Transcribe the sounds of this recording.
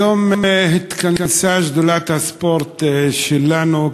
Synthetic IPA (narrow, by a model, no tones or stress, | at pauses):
ommɦɪt̪ːkanansaːʒd̪ʊlat̪aspoɾˤt̪ʃɪlːanu